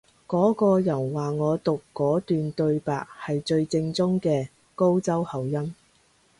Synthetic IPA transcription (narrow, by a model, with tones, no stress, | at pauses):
kɔː˨˥kɔː˧jɐ˨˩nwaː˨˩ŋɔː˨˧t̪ʊ˨kːɔː˨˥t̪yː˨nt̪ɵ˧ɥpa̰ː˨k̚hɐ˨jt͡ʃɵ˧ɥt͡sɪ˧ŋt͡sʊ˥ŋkɛː˧ | ko˥wt͡sɐ˥whɐ˨˩wjɐ˥m